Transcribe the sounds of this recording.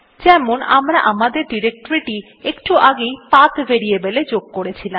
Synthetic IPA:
d͡ʑɛmonʔa̰mɾaʔamad̪eɾɖiɾek̚ʈoɾiʈi | ekʈuʔaɡejpat̪veɾiebeled͡ʑoɡ̚koɾet͡ɕʰila

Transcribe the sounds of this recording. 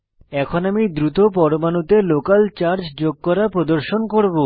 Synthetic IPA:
ɛkʰonamid̪ɾut̪op̬ɔɾomanut̪elokalt͡ɕaɾd͡ʑd͡ʑoɡ̚kɔɾapɾod̪oɾʃonkoɾbo

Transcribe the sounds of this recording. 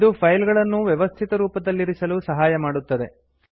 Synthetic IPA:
id̪upʰɐjlɡɐɭɐnːuʋjɛʋɐst̪ʰit̪ɐɾuːpɐd̪ɐlːiɾisɐlusɐɦaːjɐmaːɽut̪ːɐd̪e̞̰

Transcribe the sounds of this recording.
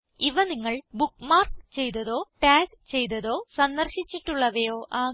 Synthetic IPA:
iʋɐniŋːɐɭbukmaːrkt͡ɕe̞jt̪ɐðo̞ːʈaːɡ | t͡ɕe̞jt̪̬ɐðo̞ːsɐnd̪ɐrɕit͡ɕːiʈːuɭːɐʋɐjoːʔaː

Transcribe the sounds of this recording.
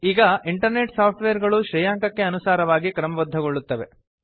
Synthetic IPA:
iːɡɐʔiɳʈɐɾneʈsaːp̚ʰʈʋeːɐɾɡɐɭuʃɾɐjaːŋkɐkːe̞ɐnusaːɾɐʋaːɡikɾɐmɐʋɐd̪ʱːɐɡoɭːut̪ːɐʋe̞

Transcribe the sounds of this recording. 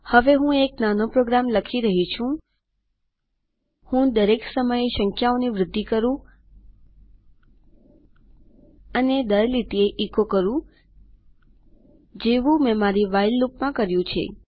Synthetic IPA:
həʋeɦũeknanopɾoɡɾamləkʰiɾəɦit͡ʃʰũ | hũd̪əɾeksəməjeʃəŋkʰjaoniʋɾɪd̪ʱːikəɾũ | əned̪əɾlit̪ieʔikokəɾũ | d͡ʒeʋũmɛ̃maɾiʋailːupmãkəɾjũt͡ʃʰḛ

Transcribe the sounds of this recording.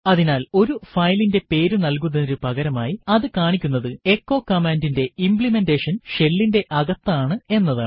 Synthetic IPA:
ɐðinaːlo̞ɾufɐjlinde̞pe̞ːɾunɐlk̬unːɐðɾupɐɣɐɾɐmaːjiɐðɨkaːɳikʲːunːɐðɨe̞kːo̞ːkɐmeːndinde̞impɭime̞ndeːʂɐnʂe̞lːinde̞ʔɐɣɐt̪ːɐaːɳɨe̞nːɐðaːɳɨ

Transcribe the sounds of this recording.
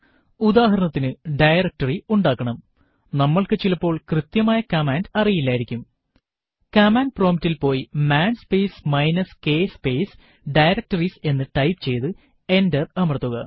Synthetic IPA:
ud̪aːɦɐɾɐɳɐt̪ːinɨɖɐjrɐk̚tɐriuɳɖaːkːɐɳɐm | nɐmːɐɭkɨt͡ɕilɐpːo̞ːɭkrɨt̪jɐmaːjɐkɐmaːndɐrijilːaːjiɾikʲːum | kɐmaːndproːmitːilpo̞ːjimaːnspe̞ːsmɐjnɐske̞ːspe̞ːs | ɖɐjɾɐk̚tɐrise̞nːɨʈɐjpt͡ɕe̞jt̪ɨ | e̞ndɐrɐmɐrɐt̪ːuɣɐ

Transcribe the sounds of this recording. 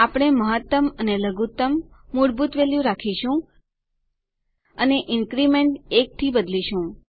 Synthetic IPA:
apɽ̃eməɦət̪ːəməneləɡut̪əmː | uɽbut̪ʋeljũɾakʰiʃũ | əneʔɪŋkɾimeɳʈek̚t̪ʰibəd̪liʃũ

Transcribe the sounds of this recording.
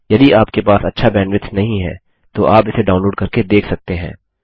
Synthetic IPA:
jɐd̪iaːpkepaːsɐtːʃʰabɛːɳɖʋɪt̪nɐɦĩɦɛ̰ː | t̪oʔaːpɪseɖaːʊnloːɖkɐɾked̪eːkʰsɐk̚t̪eɦɛ̰̃ː

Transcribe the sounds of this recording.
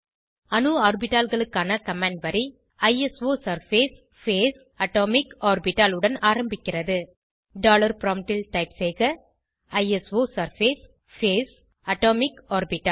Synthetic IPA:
ɐnɯaːɾbɪʈːaːlɣɐɭɯkːaːnɐkɐmãːɳɖʋɐɾi | ɐɪɛsʋoːsɐɾfeːs | feːs | ɐʈoːmɪkaːɾbɪʈːaːlɯɽɐnaːɾɐmbɪkʲːɪrɐðɯ | ɖaːlɐɾpɾoːmʈɪlʈɐɪpseːɣɐ | ɐɪɛsʋoːsɐɾfeːs | feːs | ɐʈoːmɪkaːɾbɪʈːaː

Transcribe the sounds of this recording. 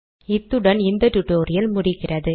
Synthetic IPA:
ɪt̪ːɯɽɐnɪnd̪ɐʈʊʈːoːɾɪjɐlmʊɽɪkːɪrɐðɯ

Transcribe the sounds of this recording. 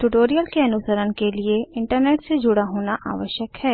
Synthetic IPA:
ʈʊʈoːɾijəlkeɐnʊsəɾənkelieɪ̃ɳʈəɾneːʈsed͡ʒʊɽaɦoːnaʔa̰ːʋəʃjəkhɛː

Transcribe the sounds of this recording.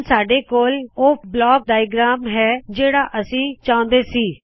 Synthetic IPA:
saːɖeːkoːloːblɔːk̚ɖaːɪɡɾaːmɦɛːd͡ʒeːɽaːʔəsĩːt͡ʃãːʊ̃nd̪eːsiː

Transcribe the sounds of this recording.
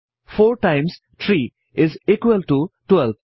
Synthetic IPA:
foːɾʈãɪ̃ms | t̪ʰɾiː | ɪziːkʋəlʈuʈwɛlb

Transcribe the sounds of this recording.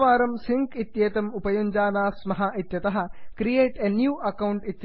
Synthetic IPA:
ʋaːɾɐmsiŋkit̪jeːt̪ɐmupɐjuɲd͡ʒaːnaːsmɐɦɐit̪jɐt̪ɐɦɐ̆kɾijeːʈenjuːʔɐkɐwɳʈit̪j

